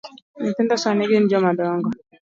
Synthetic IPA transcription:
nitɪndaswaniɡind͡ʒɔmadɔŋɡɔ

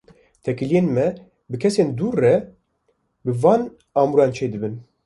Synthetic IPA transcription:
t̪ʰɛkɨlijeːnmɛ | bɨkʰɛseːnd̪uːrːɛ | bɨvɑːn | ɑːmuɾɑːnt͡ʃʰeːd̪ɨbɨn

